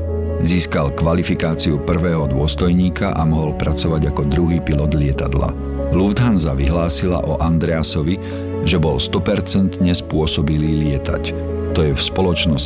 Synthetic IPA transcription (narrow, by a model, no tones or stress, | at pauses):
ziːskalkʋalifikaːt͡siupr̩ʋɛːɦɔd̪ʊɔst̪ɔjɲiːkaʔamɔɦɔlpɾat͡sɔʋaɟakɔd̪ɾuɦiːpilɔd̪lɪɛt̪ad̪la̰ | luvd̪ɦanzaʋiɦlaːsila̰ʔɔʔand̪ɾɛasɔʋi | ʒɛbɔlst̪ɔpɛɾt͡sɛnt̪ɲɛspʊɔsɔbiliːlɪɛt̪a̰c | t̪ɔjɛfspɔlɔt͡ʃnɔs